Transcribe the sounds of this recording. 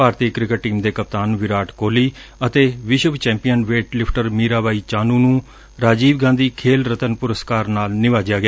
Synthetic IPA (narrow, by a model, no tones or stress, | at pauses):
aːɾt̪iːkɾɪkəʈ̚ʈːiːmd̪eːkəp̚t̪aːnʋɪɾaːʈkoːliːət̪eːʋɪʃəʋt͡ʃɛ̃ːmpijənʋeːʈlɪpʰʈəɾmiːɾaːʋaːiːt͡ʃaːnũːnũː | ɾaːd͡ʒiːʋɡãːnd̪iːkʰeːlɾət̪ənpʊɾəskaːɾnaːlnɪʋaːd͡ʒɪjaːɡɪaː